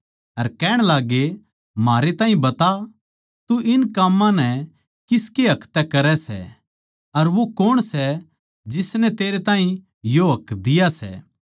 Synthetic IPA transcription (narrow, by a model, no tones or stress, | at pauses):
ɐɾkɛːɽ̃laːɡe | maːɾet̪aːɦĩbɐt̪a | t̪uʔɪnkaːmːãnɛ | kɪskeɦɐkʰt̪ɛkɐɾɛsɛ̰ | ɐɾʋokoɽ̃sɛ | d͡ʒɪsnɛt̪eːɾet̪ãːɦĩ | joɦɐkd̪ɪjasɛ̰